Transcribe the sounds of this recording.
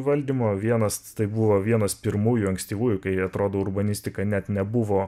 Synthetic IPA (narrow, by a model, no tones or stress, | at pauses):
ʋɐlʲd̪ʲiːmoːʋʲiɛnɐst̪ɐɪbʊʋoːʋʲiɛnɐspʲɪɾmuːjʊɐŋksʲt̪ʲiːʋuːjʊkɐɪɐt̪ɾoːd̪oːʊɾbɐnʲɪsʲt̪ʲɪkɐnʲɛt̪nʲɛbʊʋoː